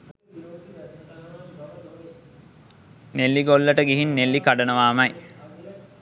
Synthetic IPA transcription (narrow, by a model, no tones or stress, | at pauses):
nelːiɡolːəʈəɡiɦinːelːikaɖənəʋaːmɐj